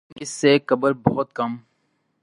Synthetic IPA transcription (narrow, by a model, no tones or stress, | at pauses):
ɪsːekɐbəɾbɔɦʊt̪̚kɐm